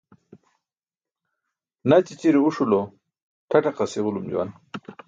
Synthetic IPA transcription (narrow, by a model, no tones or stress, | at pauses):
nat͡ɕit͡ɕiɾiuʂulo | ʈʰaʈaqaseʁulumd͡ʑṵwa̰n